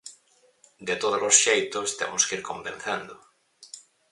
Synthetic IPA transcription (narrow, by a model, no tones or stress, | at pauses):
d̪et̪oð̞olosʃejt̪ost̪ḛmoskiɾkombẽn̟θẽnd̪o